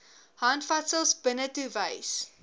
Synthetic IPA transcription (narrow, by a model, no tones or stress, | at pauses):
hɐntfɐtsəlˠsbənətuvəjs